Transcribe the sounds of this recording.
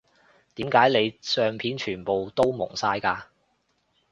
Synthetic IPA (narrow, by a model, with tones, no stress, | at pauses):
t̪iː˨˥mkaː˨˥jle˨˧jsœː˨˧ŋpʰiː˨˥nt͡ʃʰyː˨˩npo˨wt̪o˥wmʊ̰˨˩ŋsaː˧jkaː˧